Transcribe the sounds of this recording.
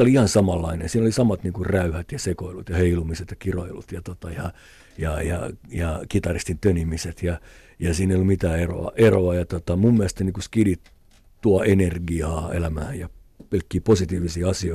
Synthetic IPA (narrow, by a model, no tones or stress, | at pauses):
oliihɑnsɑmɑlːɑinḛsiːnolisɑmɑt̪niːŋkurræyhæt̪jɑsekoilut̪jɑheilumiset̪jɑkiro̰ilṵt̪jɑt̪ot̪ɑjɑ | jɑjɑ̰jɑkit̪ɑrist̪int̪ønimiset̪jɑ | jɑsiːneijolumit̪æːero̰ɑ̰ʔeroɑjɑt̪ot̪ɑmumːiælest̪eniːŋkuskidit | t̪uɑʔenerɡiɑːḛlæmæːjɑ | pelkːiːposit̪iːʋisiːɑsioi